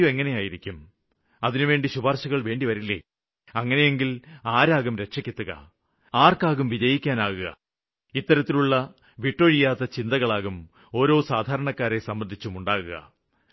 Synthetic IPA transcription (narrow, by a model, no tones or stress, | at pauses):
ueŋːɐne̞jaːjiɾikʲːum | ɐðinuʋe̞ːɳɖiɕubʱaːrɕɐɣɐɭʋe̞ːɳɖiʋɐɾilːḛ | ɐŋːɐne̞je̞ŋɡilaːɾaːɣumɾe̞kʂɐkʲːet̪ːuɣɐ̰ | aːrkaːɣumʋid͡ʑɐjikʲːaːnaːɣuɣɐ̰ | it̪ːɐɾɐt̪ːiluɭːɐ | ʋiʈːo̞ɻijaːt̪ːɐt͡ɕind̪ɐɣɐɭaːɣum | o̞ːɾo̞ːsaːd̪ʱaːɾɐɳɐkːaːɾe̞sɐmbɐnd̪ʱit͡ɕːumuɳɖaːɣuɣɐ̰